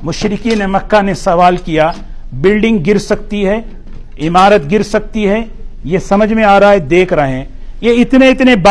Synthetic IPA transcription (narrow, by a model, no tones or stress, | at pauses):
mʊʃɾɪkinemɐkːanesɐʋaːlkija | bɪlɖɪ̃ŋɡ̚ɡɪɾsɐkt̪iɦɛ | ɪmaːɾət̪ɡɪɾsɐk̚t̪iɦɛ | jesɐməd͡ʒʱmẽaːɾaaɛd̪eːkʰɾɐɦɦɛ̃ːjeɪt̪neɪt̪nebɐ